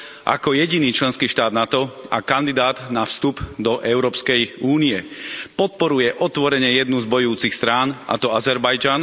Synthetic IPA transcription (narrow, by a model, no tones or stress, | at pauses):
ʔa̰kɔjɛɟiniːt͡ʃlɛnskiːʃt̪aːd̪nat̪ɔa̰kand̪id̪aːd̪nafst̪upd̪ɔʔɛʊɾɔːpskɛjuːniɛpɔt̪̚pɔɾujɛʔɔt̪ʋɔɾɛɲɪɛjɛd̪nuzbɔjuːt͡sixst̪ɾaːnʔa̰t̪ɔazɛɾbajd͡ʒan